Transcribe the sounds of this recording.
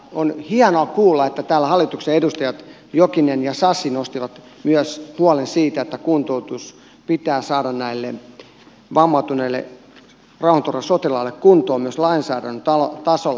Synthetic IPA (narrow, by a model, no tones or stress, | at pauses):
onhiɑnoɑkuːlːɑet̪ːæt̪æːlːæhɑlːˑit̪ukseedust̪ɑjɑt̪ | jokinenjɑsɑsinost̪iʋɑt̪ | myøshuɑlensiːt̪æet̪ːækunt̪out̪us | pit̪æːsɑːdɑnnæilːe | ʋɑmːɑt̪unelːḛ | rɑuhɑnt̪urʋɑsot̪ilɑlːekkunt̪oːmyøslɑinsæ̰ːdænt̪ɑlot̪ɑsol